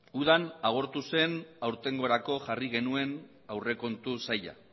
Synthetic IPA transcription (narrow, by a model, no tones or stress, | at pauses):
uð̞anaɣ̞o̞ɾt̪use̞nawɾt̪e̞ŋɡo̞ɾako̞ʝariɣ̞e̞nue̞n | awre̞ko̞nt̪usaja̰